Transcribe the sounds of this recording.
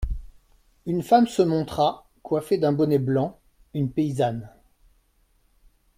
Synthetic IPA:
ynfamsəmɔ̃t̪χa | kwafed̪ɛ̃bɔnɛblɑ̃ | ynpeizan

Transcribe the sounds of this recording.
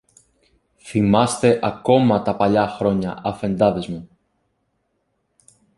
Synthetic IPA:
θimɐst̪e̞ʔɐko̞mɐt̪ɐpɐʎɐxɾo̞ɲɐɐfe̞nd̪ɐðezmu

